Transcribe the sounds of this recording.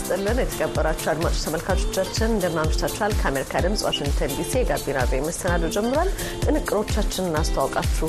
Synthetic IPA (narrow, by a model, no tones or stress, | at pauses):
st̪ʼɨlːənjɛt̪ʰə̥kʼʰəbːəɾat͡ʃːuad̪mat͡ʃʼot͡ʃt̪ʰəməlkʰat͡ʃʼo̞̥t͡ʃːat͡ʃːɪnɨnd̪əmnaməʃt̪ʰat͡ʃːuhalkʰəameɾikʰad̪ɨmsʼwa̰ʃɪŋɡt̪ʰənd̪isijɛɡabːina̰vejməst̪ʰənad̪əwd͡ʒɛmːɨɾwal | t̪ʼɨnɨkʼːɨɾo̞t͡ʃːat͡ʃːɪnɨnːast̪ʰawɔkʼat͡ʃːu